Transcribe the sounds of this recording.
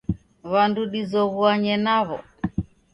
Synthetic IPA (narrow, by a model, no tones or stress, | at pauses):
βanduɗizɔβuaɲɛnaβɔ̰